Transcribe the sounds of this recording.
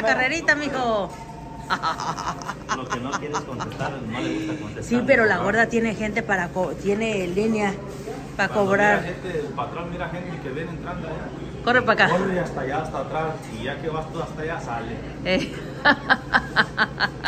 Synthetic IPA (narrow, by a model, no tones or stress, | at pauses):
akareɾit̪amixo | lokenok̪jeɾeskont̪est̪aɾelmoðeesakont̪esipeɾolaɣweɾðat̪jenexent̪̬epaɾakot̪jenelinja | paakoβɾaɾxent̪epat̪ɾolmiɾaxent̪ekeβenent̪ɾand̪aja | korepakaoɾeast̪aʝaːst̪at̪ɾas | iʝakeβast̪uast̪ajasale | e